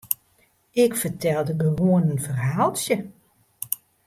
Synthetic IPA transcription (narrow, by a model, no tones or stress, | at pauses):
ɪkfərtʰɛlˠdəɡəʋoənənfərɦaːlˠsjə